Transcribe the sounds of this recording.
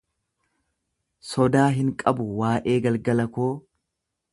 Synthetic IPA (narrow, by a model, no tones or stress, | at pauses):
sɔd̪aːɦɪŋkʼɐbʊwaːʔeːɡɐlɡɐlɐkoː